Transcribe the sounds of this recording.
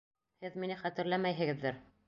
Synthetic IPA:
hɘðminɘχæt̪ɘ̆ɾlæmæjɦɘ̆ɡɘ̆ðːɘɾ

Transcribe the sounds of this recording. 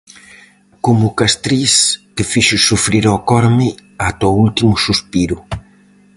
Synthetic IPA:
kʊmʊkast̪ɾiskɪfiʃʊsufɾiɾɔkɔɾmɪat̪ɔult̪imʊsuspiɾʊ

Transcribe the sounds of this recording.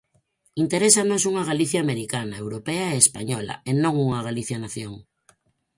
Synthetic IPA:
int̪eɾesanosuŋaɣ̞aliθjaːmeɾikanaewɾopeaeːspaɲɔla̰enõŋuŋaɣ̞aliθjanaθjoŋ

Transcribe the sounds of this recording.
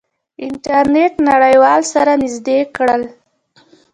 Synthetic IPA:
ɪnʈaɾneʈnaɽəjwɑlsaɾanɪzd̪ekɽəl

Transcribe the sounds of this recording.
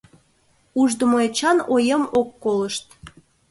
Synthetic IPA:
uʒd̪əmoet͡ɕɑnojəmokːoləʃt̪

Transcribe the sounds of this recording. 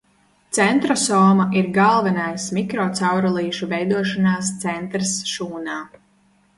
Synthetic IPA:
t̪sɛnt̪ɾɔsɔːmaʔiɾɡalˠvɛnajsmikɾɔt̪sawɾɔlˠiːʃuvɛjd̪uɔʃanaːst̪sɛnt̪ɾsʃuːnaː

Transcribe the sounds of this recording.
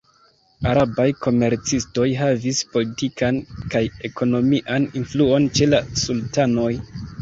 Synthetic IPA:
aɾabajko̞me̞ɾt͡sisto̞jɦavispo̞litikankaje̞ko̞no̞miʔaninfluo̞nt͡ʃe̞lasultano̞j

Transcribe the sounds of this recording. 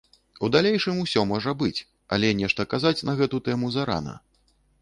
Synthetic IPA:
ud̪alʲejʂɨmusʲɔmɔʐɐbɨt͡sʲ | a̰lʲɛnʲɛʂt̪ɐkazat͡sʲnɐɣɛt̪ut̪ɛmuzaɾa̰nɐ̰

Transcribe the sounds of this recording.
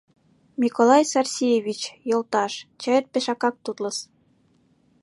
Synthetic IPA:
mʲikolˠɑjsɑrsʲijeβʲit͡ɕjolˠt̪ɑʃt͡ɕɑjet̪̚peʃɑkɑk̚t̪ut̪lɤ̆s

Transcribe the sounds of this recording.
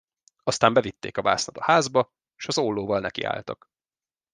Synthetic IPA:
ɒst̪aːmbɛvit̪ːeːkɒva̰ːsnɒt̪ɒhaːzbɒ | ʃɒzoːlːoːvɒlnɛkḭa̰ːlt̪ɒ̰k

